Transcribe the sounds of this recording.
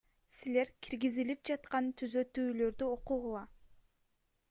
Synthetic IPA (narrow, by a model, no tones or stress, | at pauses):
sile̞ɾkʲʰiɾɡizilip̚d͡ʒɑt̪qɑnt̪ʰyzø̞t̪yːlø̞ɾd̪yoquʁulˠɑ